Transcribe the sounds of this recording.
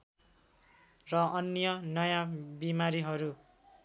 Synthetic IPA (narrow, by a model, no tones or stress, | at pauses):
rʌʌnjʌnʌjabimaɾiɦʌɾu